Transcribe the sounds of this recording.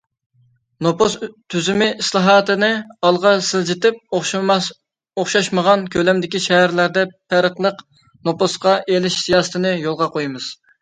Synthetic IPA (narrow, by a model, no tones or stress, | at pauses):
nopst̪ʰyzymɪʔislˠɑɦɑːt̪ɨnɨɑlˠʁɑsɪld͡ʒɪt̪ɪp̚ | oχʃɑʃməʁɑnkʲʰølɛmd̪ɪkʲiʃɛɦæɾlæɾd̪ɛpʰæɾəqlˠəq | noposqɑʔelɪʃsijɑːsɨ̥t̪ʰɨnɨjolˠʁɑqojmɨz̥